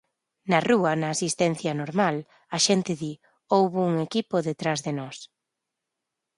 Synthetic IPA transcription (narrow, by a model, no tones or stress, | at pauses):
nɐruɐnɐːsist̪ɛn̟θjɐnoɾmal | ɐʃɛnt̪ɪði | owβʊuŋekipoðet̪ɾazðenɔs